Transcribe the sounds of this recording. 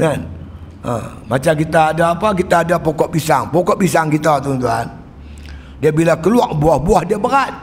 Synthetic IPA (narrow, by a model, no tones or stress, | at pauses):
kan | ə̰mat͡ʃamkit̪aːdaːpak̬it̪aːdapɔkɔʔbisaŋpɔkɔʔbisaŋkit̪at̪unt̪̬uan | diabilakəluaʔbuahbuahdiabəɾat̪̚